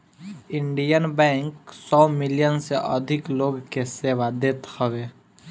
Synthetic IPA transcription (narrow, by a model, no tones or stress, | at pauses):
ɪɳɖijənbɛ̃ːŋksɔːmɪlijənseʔə̰d̪ʱɪkloːɡkeseːʋad̪eːt̪həʋeː